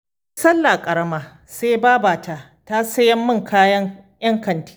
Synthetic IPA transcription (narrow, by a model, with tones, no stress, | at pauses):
sɐ˦lːa˨kʼɐ˨ɾɐ˦maː˦ | seː˦baː˦baː˨ta˨ | ta˦sɐ˦jɐ˦mːɪ˦ŋkʰaː˦jɐ˦ŋjɐ˦ŋkɐ˨nti̥ː˦